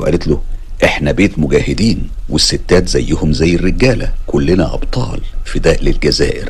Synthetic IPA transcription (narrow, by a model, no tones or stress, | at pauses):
wʔæ̰let̪lo | ʔeħnæbeːt̪mʊɡæːhɪd̪iːnwesːet̪ːæːt̪zæjːʊhʊmzæjːerːeɡæːlæ̰kolːenæʔɑ̰bt̪ˤɑ̰ːlfid̪æːlelɡæzæ̰ːʔḛɾ